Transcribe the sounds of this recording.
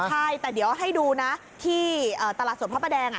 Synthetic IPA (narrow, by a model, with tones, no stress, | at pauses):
t͡ɕʰa˥˩jt̪ɛː˨˩di˩˦wʔɦa˥˩jduː˧na˦˥ | t̪ʰiː˥˩ʔɤː˨˩t̪a˧laː˨˩su˩˦pʰaː˥˩pʰːa˧dɛː˧ŋʔa˨˩